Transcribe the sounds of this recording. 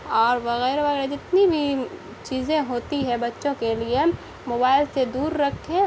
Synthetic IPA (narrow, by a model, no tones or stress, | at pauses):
ɔːɾʋɐɣɛːɾʋɐɣɛːɾed͡ʒɪt̪nibʱi | t͡ʃiːzẽɦoːt̪iɦɛ̃bɐtːʃõkelie | moːbaːɪlsed̪uːɾːɐkʰẽ